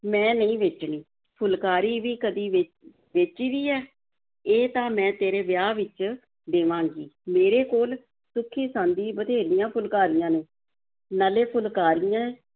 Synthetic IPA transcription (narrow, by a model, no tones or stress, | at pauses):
mɛ̃ːnəĩːʋet͡ʃniː | pʰʊlkaːɾiːʋiːkəd̪iːʋ | ʋɪt͡ʃiːʋiːɛː | eːt̪ãːmɛ̃ːt̪eːɾeːʋɪjaːʋɪt͡ʃ | d̪eːʋãːŋɡiːmeːɾeːkoːl | sʊkʰːiːsãːnd̪iːbəd̪ʱeːɾɪjãːpʰʊlkaːɾɪjãːneː | naːleːpʰʊlkaːɾɪjãːe